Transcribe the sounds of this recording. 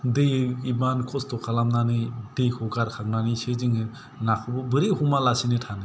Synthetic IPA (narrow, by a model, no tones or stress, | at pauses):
dɯjibankʰɔstɔkʰalamnanɯdɯjkʰɔɡaɾkʰaŋnanised͡ʒiŋɯ | nakʰɔbɯbɯɾihumalasinetʰanɯ